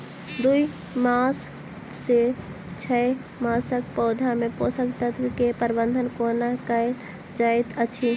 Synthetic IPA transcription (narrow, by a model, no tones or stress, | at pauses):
d̪ui | masː | e | t͡ʃʰɛ | maːsək̚pɔːd̪ʱamẽposəkt̪ət̪kepəɾbə̃nd̪ʱənkonakəe | d͡ʒaet̪ət͡ʃʰi